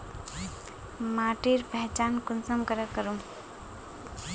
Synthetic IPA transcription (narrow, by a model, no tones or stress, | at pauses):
maːʈiɾpɛɦt͡ʃaːnkʊnsəmkəɾəkəɾũm